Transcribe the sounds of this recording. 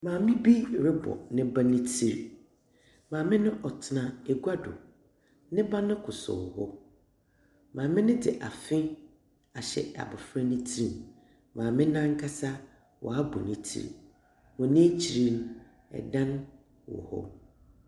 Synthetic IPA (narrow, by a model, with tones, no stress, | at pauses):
mãː˨mɪ̃˦bi˦˨ɾɪ˦bɔ̰˨nɪ̃˦ba˦nɪ̃˦tʰi˦ɾ | mãː˨mɪ̃˦nʊ̃˦ʔɔ˨tʰɪ˨nã˨e˨ɡu˦a˦dʊ̰˨ | nɪ̃˦ba˦nʊ̃˦kʰʊ˨sʊ̰˨hɔ˦ | mãː˨mɪ̃˦nɪ̃˦dɪ˨ʔa˨fɪ̃˦ | a˨ɕɛ̰˨a̰˨bʊ˨fɾa˦nɪ̃˦tʰi˦ɾi˨n | mãː˨mɪ̃˦nã˦ŋ˦kʰa˦sa˦ | wʔɔ̰˨a˦bɔ˨nɪ̃˨tʰḭ˦ɾ̰ | mɔ̃˨nɪ̃˦t͡ɕʰi˨ɾi˦n | ɛ̰˨dã˦n˦ | wɔ̰˨hɔ̰˦